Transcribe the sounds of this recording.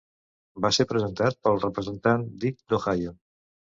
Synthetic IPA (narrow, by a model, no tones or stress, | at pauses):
baseɾpɾəzənt̪at̪̚pəlˠrəpɾəzənt̪and̪ik̚d̪oxajo